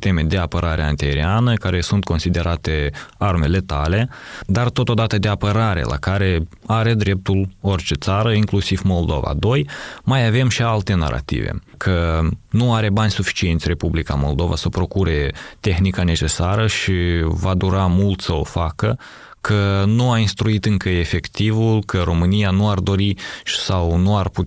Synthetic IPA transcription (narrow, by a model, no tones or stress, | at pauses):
it̪e̞me̞d̪e̞apəɾʔaɾʔeant̪eɾianəkaɾe̞sunt̪̚ko̞nsid̪e̞ɾʔat̪e̞arme̞le̞t̪ale̞d̪art̪o̞t̪od̪at̪əd̪e̞apəɾaɾe̞̰lʔa̰kaɾe̞aɾe̞d̪ɾe̞p̚t̪ulo̞rt͡ʃe̞t̪saɾəiŋklusivmo̞ld̪o̞̰va̰d̪o̞jmajave̞mʃialt̪e̞na̰ɾʔa̰t̪ḭvḛkʰənuaɾe̞banʲsufi̥t͡ʃie̞nt̪sʲre̞publika̰mo̞ld̪o̞va̰səpɾo̞kuɾe̞t̪e̞xnikane̞t͡ʃe̞saɾəʃivad̪uɾamult̪səo̞̰fakə | kʰənuainst̪ɾuit̪ɨŋkəe̞fe̞kt̪ivulkʰəɾo̞mɨnijanuard̪o̞ɾi̥sawnuarpu